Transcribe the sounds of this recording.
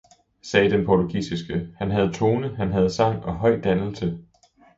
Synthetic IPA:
sɛːd̥enpʰɒt͡sʰuɡ̥ḭːsisɡ̥əhænɦæð̞ˠt͡sʰo̝ːnəɦænɦæð̞̩ˠsɑ̈ŋ̰ɒ̽ɦɒ̽ɪ̰d̥ænl̩sə

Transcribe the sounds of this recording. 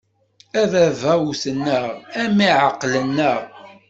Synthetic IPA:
æðævæwusənːəʁæmiʕaqːlənːəʁ

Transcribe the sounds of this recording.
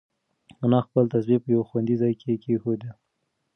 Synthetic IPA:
nɑxpəlt̪asbepəjawxwand̪izɑjkʰekexod̪e

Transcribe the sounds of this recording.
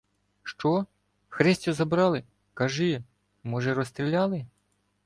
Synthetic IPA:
ʃt͡ʃɔ | xɾɛsʲtʲɔzɐbɾɑlˠɪ | kɐʒɪ | mɔʒɛɾɔst̪ɾʲilʲɑlˠɪ

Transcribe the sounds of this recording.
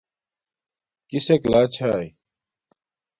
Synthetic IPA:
kiseklaːt͡ɕʰaːj

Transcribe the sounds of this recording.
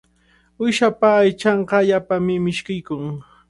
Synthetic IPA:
ʊjʃapaːjt͡ʃɑɴqɑʎapamɪmɪʃkɪjkʊŋ

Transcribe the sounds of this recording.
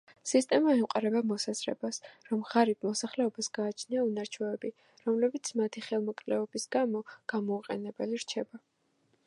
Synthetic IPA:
sist̪ʼɛmaɛmqʼaɾɛbamɔsazɾɛ̰basɾɔmʁaɾibmɔsaχlɛɔbasɡ̥aːt͡ʃʰniaunaɾt͡ʃʰɔɛbi | ɾɔmlɛbit̪sʰmat̪ʰiχɛlˠmɔkʼlɛɔbisɡamɔɡ̥amɔːqʼɛ̰nɛbɛliɾt͡ʃʰɛba

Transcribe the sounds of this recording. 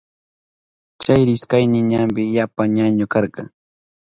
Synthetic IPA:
t͡ʃajɾɪskajnɪɲampɪjapaɲaɲʊkɑɾɢɑŋ

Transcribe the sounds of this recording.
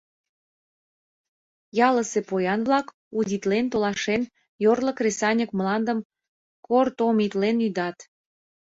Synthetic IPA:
jɑləsepojɑnβlɑk | ud̪ʲit̪lent̪olɑʃen | jorləkresɑnʲəkmlɑnd̪əm | kort̪omit̪lenyd̪ɑt̪

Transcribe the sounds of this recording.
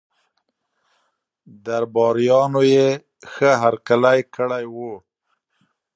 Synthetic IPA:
d̪aɾbɑɾijɑnoje | xəɦaɾkalajkəɽajwu

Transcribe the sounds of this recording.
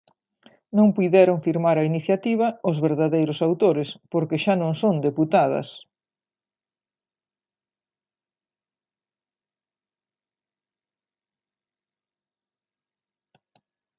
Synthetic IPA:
nõŋpujðɛɾoŋfiɾmaɾɐiniθjat̪iβ̞ɐʊzβeɾðaðejɾʊsawt̪oɾɪspoɾkeʃanõŋsond̪eput̪að̞ɐ̰s

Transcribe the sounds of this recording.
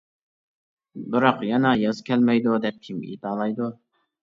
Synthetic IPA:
bɪɾɑqjɑnɑjɑzkʲʰælmɛjd̪ʊd̪ɛp̚kʲʰimḭt̪ɑːlˠɑjd̪ʊ

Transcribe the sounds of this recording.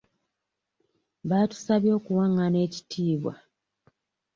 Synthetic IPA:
βaːtu̥saβjo̞ːkuwaŋːane̞ːci̥tʰiːβwa̰

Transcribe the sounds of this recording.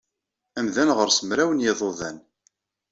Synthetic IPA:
æmðænʁəɾsəmɾæwənjɪðˤoðˤæn

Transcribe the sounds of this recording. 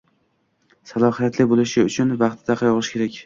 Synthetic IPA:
salˠɒhijat̪lɪbolɪʃɪʊt͡ʃʰʊnvɑχt̪ʰd̪aqʰɑjɒʁɨʃkʰʲe̞ɾakʲ

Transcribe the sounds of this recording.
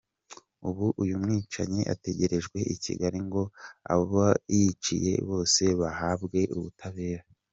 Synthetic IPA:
uβuʔujumŋiːt͡ʃaɲeʔa̰te̞ɟe̞ɾe̞ʒɡwe̞ʔicḭɡaɾiŋɡo̞a̰βoβajit͡ʃḭje̞̰βo̞ːse̞βahaːbɡe̞ʔṵβutʰaβe̞ːɾa

